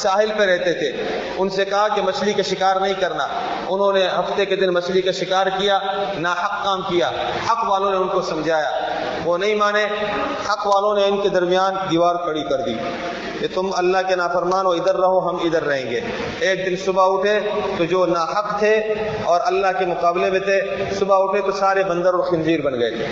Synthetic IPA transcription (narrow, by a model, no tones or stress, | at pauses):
saːɦɪlpeɾɛɦt̪et̪ʰeː | ʊnsekɐɦakemɐʃlikaʃɪkaːɾnɐɦĩkɐɾna̰ː | ʊnɦõneɦɐft̪eked̪ɪnmɐʃlikaʃɪkaːɾkijaːnaːhɐqːaːmkijaː | hɐqʋaːlõneʊnkosɐ̃md͡ʒʱaːja̰ː | ʋonɐɦĩmaːne | hɐqʋaːlõneʊnked̪ɐɾmijaːnd̪iːʋaːɾkɐɽikɐɾd̪ḭː | ket̪ʊmɐlːaɦkenaːfɐɾmaːnoɪd̪əɾːɐɦoɦɐmɪd̪əɾːɐɦẽːŋɡḛː | eːk̚d̪ɪnsʊbaʊʈʰet̪od͡ʒoːnaːɦɐqt̪ʰe | ɔːɾɐlːaɦkemʊqaːblebẽt̪ʰesʊbaʊʈʰet̪osaːɾebɐ̃nd̪əɾɔːɾxɪ̃nziːɾbɐnɡɐḛt̪ʰe